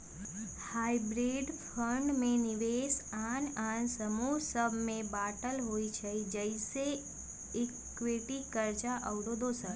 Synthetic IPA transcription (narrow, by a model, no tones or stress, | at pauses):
haibɾeɖpʰəɳɖmẽniʋesanãnsəmuɦsəbmẽbaʈəlɦoit͡ʃʰed͡ʒəise | ik | ʋiʈikəɾt͡ʃaʔəʋɽod̪osəb